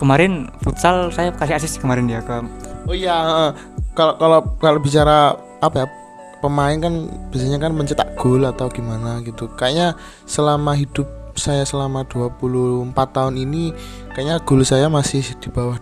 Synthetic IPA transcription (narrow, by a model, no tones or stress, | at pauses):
kəmaɾɪnfut̪salsajakasiasɪskəmaɾɪndiakaojaəʔə | kalokalokalob̥it͡ʃaɾa | apaja | pəmaɪnkanb̥asaɲakanməɲt͡ʃət̪a̰ʔɡ̥ʊlat̪awɡ̥i̤manaɡit̪ukaɲa | səlamaɦid̥ʊp̚ | sajasəlamad̪̥uapulʊhəmpat̪ːaʊnini | kaʔɲaɡ̥o̤lsajamasɪhd̪̥i̤bawa